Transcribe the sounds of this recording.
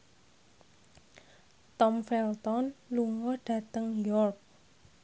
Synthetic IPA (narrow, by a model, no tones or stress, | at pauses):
t̪ɔmfɛlt̪ɔnluŋɔɖ̥ä̤t̪əŋjɔrk̚